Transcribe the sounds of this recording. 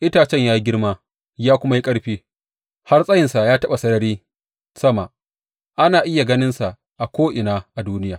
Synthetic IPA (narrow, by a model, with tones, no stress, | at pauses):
ʔɪ˦taː˨t͡ʃɛ˦˨ɲjaː˦ji˦ɡʲɪ˦rmaː˦ | jaː˦kʷʊ˦ma˦ji˦kʼɐ˦ɽɸiː˦ | ha˦rsʼɐ˦jɪ˨nsa˨jaː˦tɐ˦ɓa˨sɐ˦nɐ˨ɾiː˦ | sɐ˦ma˨ | ʔa˦naː˨ʔɪ˦ja˨ɡɐ˦nɪ˦nsa˨ʔ | ʔa˨kʷoː˦ʔɪ˨naː˦ʔa˨duː˦nɪ˦jaː˨